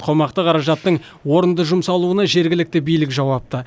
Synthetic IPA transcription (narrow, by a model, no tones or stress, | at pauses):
qʰo̞mɑqt̪əqʰɑɾɑʒɑt̪ːəɴ | wo̞ɾənd̪əʒʊmsɑlˠuənɑʒe̞ɾɡʲɪlɪk̚t̪ɪbijlɪkʒɑwɑp̚t̪ə